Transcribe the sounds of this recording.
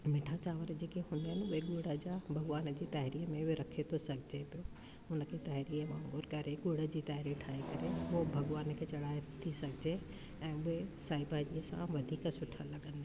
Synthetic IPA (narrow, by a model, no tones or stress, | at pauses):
mɪ̃ʈʰat͡ɕaːʋəɾd͡ʑeːkeɦũːnd̪iɦɪnɪʊɦeɠuːɽəd͡ʑaːbʱɐɡʋaːnd͡ʑiːt̪ɐɦɪɾiːmẽɾɐkʰet̪ʰosɐɡʱɪd͡ʑepijo | ʊnəkʰet̪ɐɦɪɾiːəmãŋɡoːɾkɐɾeɠuːɽə̆d͡ʑiːt̪ɐɦɪɾiʈʰaːekɐɾeʊɦbʱɐɠʋaːnkʰeːt͡ɕɐɽaːet̪ʰisɐɡʱɪd͡ʑe | ɛ̃ːʊɦesaːibaːʄiːəsã̰ʋɐd̪ʱiːksʊʈʰəlɐɠə̃nd̪e